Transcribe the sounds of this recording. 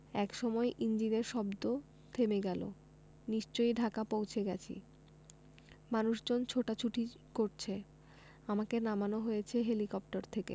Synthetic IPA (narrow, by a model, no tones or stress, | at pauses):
ɛkʃɔmɔeʔind͡ʑineɾʃɔbd̪o | t̪ʰemeɡɛlo̰ | niʃt͡ɕojɖʱakapowt͡ɕʰeɡɛt͡ɕʰḭ | manuʃd͡ʑont͡ɕʰoʈat͡ɕʰuʈʰi | koɾt͡ɕʰe | amakenamanoɦojet͡ɕʰeɦelikɔp̚ʈaɾt̪ʰekḛ